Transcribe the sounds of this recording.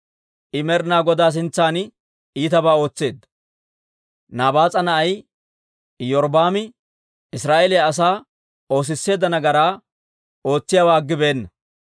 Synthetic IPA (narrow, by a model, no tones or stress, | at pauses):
ʔɪmɛɾnaːɡɔd̪aːs̬ɪnt͡sːaːn | iːt̪ɐbaːo̞ːt͡sːe̞ːd̪ːɐ | naːbaːt͡sʼɐnɐʔɐj | jɔɾbaːmɪ | ɪsɾaːʔelɛjɐɐs̬aː | o̞ːs̬ɪsːe̞ːd̪ːɐnɐɡɐɾaː | o̞ːt͡sːɪjaːwaːɡːɪbe̞ːnːɐ